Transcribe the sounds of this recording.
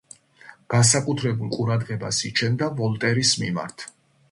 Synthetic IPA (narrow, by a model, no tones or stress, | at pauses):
ɡ̥ansakʼut̪ʰɾɛbulˠqʼuɾad̪ʁɛbasit͡ʃʰɛnd̪avɔlˠt̪ʼɛɾismḭma̰ɾt̪ʰ